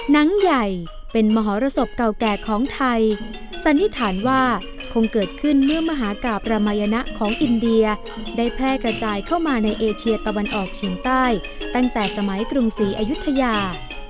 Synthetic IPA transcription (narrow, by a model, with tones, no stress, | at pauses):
na˦˥ŋja˨˩j | pe˧nmɔː˧ɦɔː˩˦ɾa˧so˨˩p̚ka˨˩wkɛː˨˩kʰɔː˩˦ŋt̪ʰa˧j | sa˨˦nːi˦˥t̪ʰaː˨˩˦nwaː˥˩ | kʰo˧ŋkɤː˨˩t̪̚kʰɯ˥˩nmɯ˥˩ɐma˧ɦaː˩˦kaː˨˩p̚ɾa˧maː˧ja˧na˦˥ʔkʰɔː˩˦ŋʔi˧ndi˧ɐ | daː˥˩jpʰɾɛː˥˩kɾa˧t͡ɕaː˧jkʰa˥˩wmaː˧na˧jʔeː˧t͡ɕʰi˧ɐət̪a˧wa˧nʔɔː˨˩k̚t͡ɕʰiː˩˦ŋt̪aː˥˩j | t̪a˥˩ŋt̪ɛː˨˩sa˧ma˩˦jkɾu˧msiː˩˦ʔa˧ju˦˥t̪ʰːa˧jaː˧